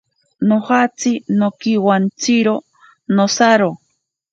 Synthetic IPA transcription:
nohat͡sinokiwant͡siɾo | nosaɾo

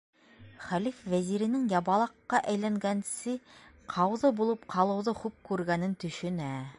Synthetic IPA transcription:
χælifvæziɾɘ̆nɘŋjɑbɑlˠɑqːɑʔæjlæŋɡænsɘ | qʰɑwðɤbulˠɤpqʰɑlˠɤ̆wðɤχʉp̚kʉɾɡænɘnt̪ɵ̆ʃɵ̆næ

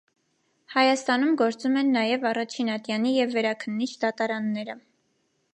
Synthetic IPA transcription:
hɑjɑst̪ɑnumɡɔɾt͡sumɛnːɑjɛvɑrɑt͡ʃʰinɑt̪jɑnijɛvːɛɾɑkʰənːit͡ʃʰd̪ɑt̪ɑɾɑnːɛɾə

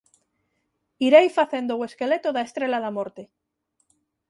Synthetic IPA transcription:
iɾejfaθe̞nd̪owe̞ske̞le̞t̪oðae̞st̪ɾe̞laðamo̞ɾt̪e

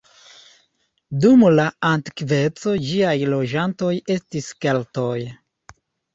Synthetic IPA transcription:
dumlaantikve̞t͡so̞d͡ʒiajlo̞d͡ʒanto̞je̞stiskelto̞j

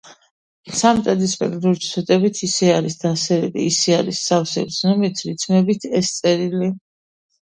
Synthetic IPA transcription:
samt̪ʼad̪ispʼɛ̰k̪ʼd̪uɾt͡ʃ̪ʰwɛt̪ʼɛbit̪ʰisɛaɾisd̪̥asɛɾilḭːsɛaɾisːafsɛ̰ɾznɔmit̪ʰɾit̪sʰmɛbit̪ʰɛst̪sʼɛɾili

